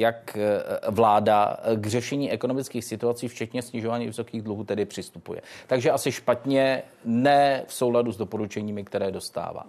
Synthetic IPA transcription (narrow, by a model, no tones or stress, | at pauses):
jakvlaːda̰ɡr̝ɛʃɛɲiːʔɛko̞nomɪt͡skiːxsɪt̪uat͡siːft͡ʃɛt̪ɲɛsɲɪʒo̞vaːɲiːvɪso̞kiːɣdluɦuːt̪ɛdɪpr̥ɪst̪upṵjɛ̰t̪aɡʒɛʔasɪʃpat̪ɲɛ | nɛːfso̞wladuzdopo̞ɾut͡ʃɛɲiːmɪkt̪ɛɾɛːdo̞st̪a̰ːva̰ː